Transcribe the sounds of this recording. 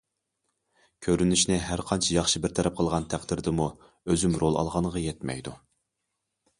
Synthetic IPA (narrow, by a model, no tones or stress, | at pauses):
kʲʰøɾynyʃnɪɦæɾqʰɑnt͡ʃʰɛjɑχʃɨbɪɾt̪ʰɛɾɛp̚qʰəlˠʁɑnt̪ʰæqd̪ɪɾd̪ɪmu | øzymɾolˠɑ̰lˠʁɑnʁɑjɛt̪mɛ̰jd̪u